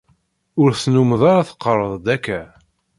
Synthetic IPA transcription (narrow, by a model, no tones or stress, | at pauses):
ʊɾθnuməðˤɑɾɑθə̥qːəɾˤəðˤd̪ækːæ